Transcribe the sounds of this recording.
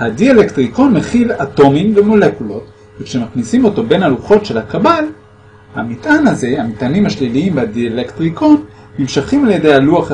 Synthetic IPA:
hadielektʁikonmeχilato̞mimve̞mo̞le̞kulo̞t | vekʃe̞maχnisimo̞to̞benaluχo̞tʃe̞lhakabal | ha̰mitʔanaze̞amitanimhaʃliliimbadielektʁikonː | imʃaχimaljede̞jaluaχ

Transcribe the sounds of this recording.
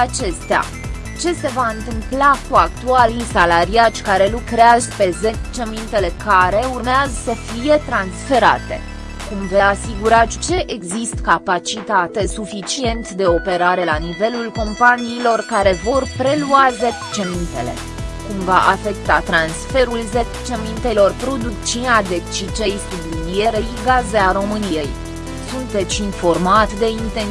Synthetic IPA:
at͡ʃe̞st̪ea̰ | t͡ʃe̞se̞vaɨnt̪ɨmplakuakt̪ualisalaɾiat͡ʃʲkaɾe̞lukɾeazəpe̞zet͡ʃemint̪e̞le̞kaɾe̞urmeazəsəfije̞t̪ɾansfe̞ɾa̰t̪e̞̰ | kumveasiɡuɾat͡ʃt͡ʃe̞ʔeɡzist̪kapat͡ʃit̪at̪e̞sufit͡ʃie̞nt̪d̪e̞o̞pe̞ɾaɾe̞lanive̞lulko̞mpaniːlo̞rkaɾe̞vo̞rpɾe̞luazet̪t͡ʃemint̪e̞̰le̞̰ | kumva̰ʔafe̞kt̪at̪ɾansfe̞ɾulzet̪t͡ʃe̞mint̪elo̞rpɾo̞d̪ukt͡ʃinad̪e̞kt͡ʃit͡ʃe̞jsublid̪ie̞ɾeiɡazeaɾo̞mɨnije̞j | sunt̪e̞t̪sʲinfo̞rmat̪d̪e̞int̪en

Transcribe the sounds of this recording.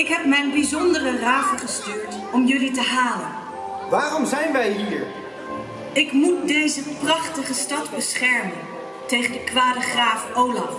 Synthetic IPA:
ɪkɦɛp̚mɛjnbizɔndərəraːvəχəstyːɹt | ɔmjɵlitəɦaːlən | ʋaːrɔmzɛjnʋɛjɦiːɹ | ɪkmut̚dejzəprɑχtəχəstɑdbəsχɛɹmən | tejχəndəkʋaːdəχraːfowlɑf

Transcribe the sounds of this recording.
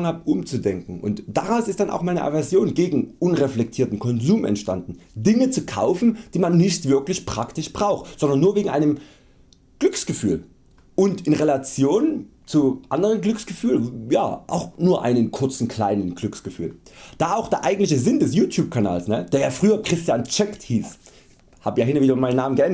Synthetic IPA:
ŋəhaːpʔʊmt͡sudɛŋkŋ̩ʔʊ̰ntd̥aʁaʊsɪstd̥anʔa̰ʊxmaɪnəʔa̰vɛɐzjoːnɡeːɡŋ̩ʔʊnʁeflɛk̚tʰiːɐtn̩kʰɔnzuːmʔɛ̰ntʃtandn̩dɪŋət͡sukʰa̰ʊfn̩d̥iːmanːɪçtv̥ɪɐklɪçpʁ̥aktɪʃb̥ʁaʊxtz̥ɔndɐnːuːɐveːɡŋ̩ʔaɪnəm | ɡ̥lʏksɡ̥əfy̰ːl | ʔʊntɪnʁelat͡sjoːnt͡suʔa̰ndəʁənɡlʏksɡ̥əfyːlja̰ːʔa̰ʊxnuːɐʔa̰ɪnənkʰʊɐt͡sn̩kʰl̥a̰ɪnənɡ̥lʏksɡ̥əfy̰ːld̥aːʔaʊxd̥eːɐʔaɪɡŋ̩tlɪçəzɪndɛsjuːtʰjuːp̚kʰana̰ːlsnəd̥eːɐjaːfʁ̥yːɐkʁ̥ɪstjaːnt͡ʃɛkthiːs | haːbəjaːɦɪnɐviːdʊmaɪnːaːmənɡəʔɛnd

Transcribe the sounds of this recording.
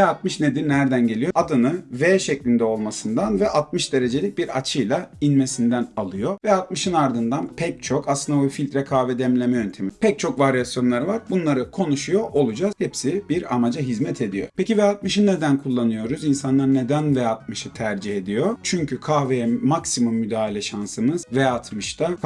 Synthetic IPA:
vɛat̪̚mɯʃned̪iɾnæɾd̪ænɟe̞lʲijoad̪ɯnɯvɛʃɛclʲind̪ɛo̞lˠmasɯnd̪anvɛʔat̪̚mɯʃd̪e̞ɾe̞d͡ʒe̞lʲic̚biɾa̰t͡ʃʰɯjlˠainme̞sind̪ænalˠɯjo̞vɛat̪̚mɯʃɯnaɾd̪ɯnd̪anpʰɛc̚t͡ʃʰo̞kaslˠɯnd̪abufilʲt̪ɾɛkʰaːvɛd̪ɛmlʲe̞mɛjønt̪ʰemipʰɛc̚t͡ʃʰo̞kvaɾjasjo̞nlˠaɾɯvaɾbunlˠaɾɯkʰo̞nuʃujo̞ʔo̞lˠud͡ʒaz̥hepsibiɾa̰mad͡ʒaɦizmɛt̪ʰe̞d̪ijo̞̰pʰecivɛjat̪mɯʃɯnːe̞d̪ænkʰulˠːanɯjo̞ɾuzinsanlˠaɾne̞d̪ænvɛat̪̚mɯʃɯt̪ʰæɾd͡ʒihe̞d̪ijo̞t͡ʃʰyɲcʰykʰaːvejɛmaksimumːyd̪aːlʲɛʃansɯmɯz̥vɛat̪ʰmɯʃt̪ʰa

